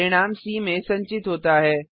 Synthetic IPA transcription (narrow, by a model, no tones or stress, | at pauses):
ɾɪɽ̃aːmsiːmẽsɐ̃ɲt͡ɕɪt̪ɦoːt̪aɦɛː